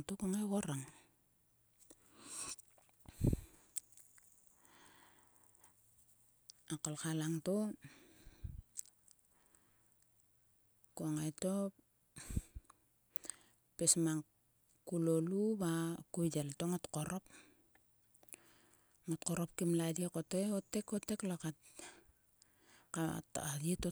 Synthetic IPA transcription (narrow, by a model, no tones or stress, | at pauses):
ŋtokuoŋajɣoɾaŋ | akolkalaŋto | koaŋajtop | pesmaŋ | kulolubakudeltoŋotkoɾop̚ | ŋotkoɾop̚kimladiekoteotekoteklakat | ka̰adieto